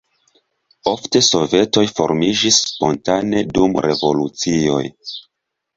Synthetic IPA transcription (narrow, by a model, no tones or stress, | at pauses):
o̞fte̞so̞ve̞to̞jfo̞̰ɾmid͡ʒisːpo̞ntane̞dumɾe̞vo̞lut͡sio̞̰j